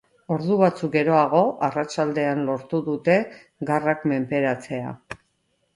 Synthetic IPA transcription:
o̞ɾðuβat͡suk̚ɡe̞ɾo̞aɣ̞o̞ʔarat͡ʃald̪e̞anlo̞ɾt̪uðut̪e̞ | ɡarakme̞mpe̞ɾat͡se̞a̰

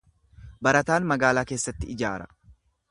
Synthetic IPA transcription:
bɐɾɐt̪aːnmɐɡaːlaːke̞ːsːɐt̪ːɪɪd͡ʒa̰ːɾɐ̰

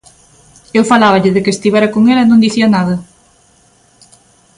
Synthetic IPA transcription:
ewfalaβɐʎɪðɪkɪːst̪iβɛɾɐkoŋelaɛnõnd̪iθiɐnaðɐ

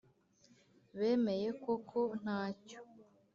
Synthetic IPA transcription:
βe̞ːme̞je̞ko̞kʰon̥aːco̥

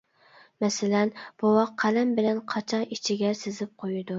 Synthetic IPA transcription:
mɛsɪlɛnb̥uwɑqʰːælɛmbɪlɛnqʰɑt͡ʃʰɑnit͡ʃʰiɡʲɛsɪzɪp̚qʰojud̪u

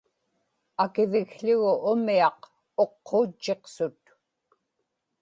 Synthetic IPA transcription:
akɪvɪɣɬʊɣʊʔʊmiɑq | o̞qʰːoːt͡ʃːe̞qsʊt̪

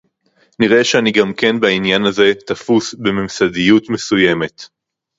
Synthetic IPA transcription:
niʁe̞ʃeaniɡamke̞nbainjanaze̞t̪afusbe̞memsadijutme̞suje̞me̞t

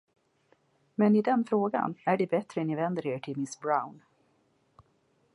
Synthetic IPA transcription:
mɛnɪd̪ɛnfɾoːɡa̰næɖɛbɛt̪ɾənɪvɛnd̪əɾeːʈʰɪlmɪsbɾaʊn

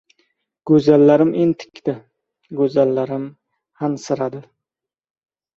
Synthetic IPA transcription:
ɡ̥ɵzalːaɾɪment̪ʰɪ̥kʲt̪ɪ | ɡɵzalːaɾɪm | hansɪɾad̪ɪ

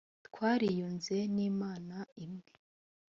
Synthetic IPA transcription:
tkwaːɾijuːnze̞niːmaːnaimŋe

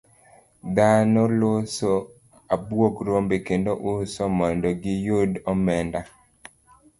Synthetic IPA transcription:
d̪anɔloso | abwokɾombekendoʔʊsɔmɔndɔɡɪjodɔmɛnda

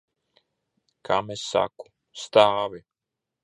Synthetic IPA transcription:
kʰamɛsa̰ku̥ | st̪aːʋi

